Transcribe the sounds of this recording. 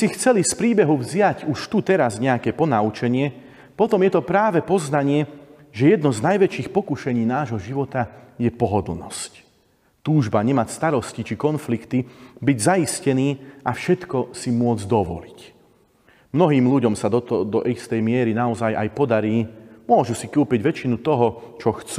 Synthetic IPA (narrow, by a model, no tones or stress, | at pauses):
sixt͡sɛlispɾiːbɛɦuvzɪjaɟuʃt̪ut̪ɛɾazɲɛakɛpɔnaut͡ʃɛɲɪɛ | pɔt̪ɔmjɛt̪ɔpɾaːʋɛpɔznaɲɪɛ | ʒɛjɛd̪nɔznajʋɛt͡ʃiːxpɔkuʃɛɲiːnaːʒɦɔʒiʋɔt̪ajɛpɔɦɔd̪l̩nɔ̰sc | t̪uːʒbaɲɛmacst̪aɾɔscit͡ʃikɔnflikt̪ibiɟzaiscɛniːʔafʃɛt̪kɔsimʊɔd͡zd̪ɔʋɔ̰lic | mnɔɦiːmʎuɟɔmsad̪ɔt̪d̪ɔʔist̪ɛjmɪɛɾinaɔzajʔajpɔd̪aɾiːmʊɔʒusikuːpiɟʋɛt͡ʃinut̪ɔɦɔt͡ʃɔxt͡suː